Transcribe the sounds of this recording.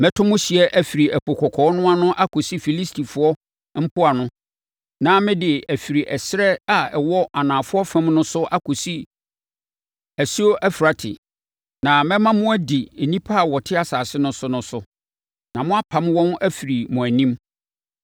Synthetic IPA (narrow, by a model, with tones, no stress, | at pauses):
mɛ̃˦tʰʊ̃˦mʊ̃˦ɕi˨ɛ˦ʔæ˨fi˨ɾi˨æ˨pʰɔ˨kʰɔ˨kʰɔː˨˦nʊ̃˦a˦nʊ̃˦ʔa˦kʰo˨si˦fi˨li˦stʰi˨fʊ˨˦ɔ˦ | m̩˦pʰʊ˦a˨nʊ̃˦ | nã˦mɪ̃˦dɪ˨æ˨fi˨ɾi˨ʔɛ˨sɪ˦ɾɛ˦a˨ɛ˨wɔ˦ʔa˨nãː˨fʊ˦ɔ˦fæ̃˦mnʊ̃˦sʊ˦ʔa˦kʰo˨si˦ | æ˨si˦o˦ʔæ˦fi˨ɾa˨tʰɪ̰˨ | nã˨mɛ̃˦mã˦mʊ̃˦æ˦di˨nĩ˦pʰa˦a˨wɔ˨tʰɪ˦a˦saː˨sɪ˦nʊ̃˦sʊ˦nʊ̃˦sʊ˦ | nã˨mʊ̃˦a˦pʰã˨m˦wɔ̃˦næ˦fi˨ɾi˨mʊ̃˨æ˨nĩ˦m